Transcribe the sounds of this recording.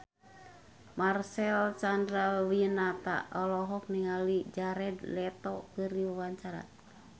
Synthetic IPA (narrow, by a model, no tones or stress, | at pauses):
marsɛlt͡ʃandɾawinat̪a̰ʔɔlɔɦɔk̚niŋalid͡ʒaɾɛd̪lɛt̪ɔkɨriwawaɲt͡ʃaɾa̰